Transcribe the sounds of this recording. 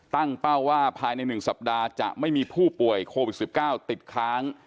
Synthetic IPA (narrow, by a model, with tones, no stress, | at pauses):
t̪a˥˩ŋpa˥˩wːaː˥˩pʰaː˧jna˧jnɯ˨˩ŋsa˨˩p̚daː˧t͡ɕa̰˨˩ʔma˥˩jmiː˧pʰuː˥˩pu˨˩əjkʰoː˧wi˨˩t̪̚si˨˩p̚kaː˥˩wt̪i˨˩t̪̚kʰɾaː˦˥ŋ